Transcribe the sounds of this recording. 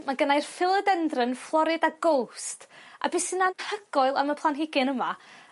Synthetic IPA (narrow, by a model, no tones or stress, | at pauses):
maɡənajrfɪlˠədɛndrənflˠɔɾɨdaɡowsta̰bɪsɨnanhəɡ̥ɔɨlˠa̰məpʰlˠanɦɪɡɪnəma